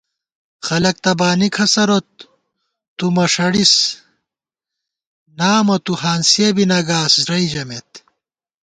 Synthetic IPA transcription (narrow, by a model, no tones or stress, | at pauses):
xɐlɐk̚t̪ɐbaːnikʰɐsɐɾot̪̚ː | umɐʂɐɽis | naːmɐt̪uɦaːnsiebinɐɡaːsɾɐid͡ʑɐmet̪